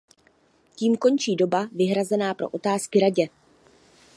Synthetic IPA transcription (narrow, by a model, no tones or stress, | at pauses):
ciːmko̞nt͡ʃiːdo̞bavɪɦɾazɛnaːpɾo̞̰ʔo̞t̪aːskɪɾaɟɛ